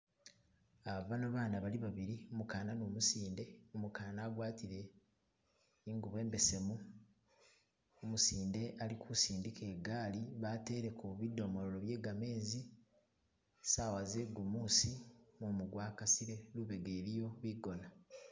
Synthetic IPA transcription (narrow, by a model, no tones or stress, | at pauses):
aβvanoβaːnaβaliβaβiɾiomukaːnanoːmusiːnde̞omukaːnaːɡwaːtiɾe̞ | iŋɡuβe̞ːmbe̞se̞mu | omusiːnde̞ʔalikʰusiːndike̞ːɡaːliβate̞ːɾe̞kuβido̞moɾolo̞βje̞ːɡame̞ːzi | sawaze̞ɡumuːsimumuɡwaːkasiɾe̞luβe̞ɡe̞ːɾijo̞βiɡo̞na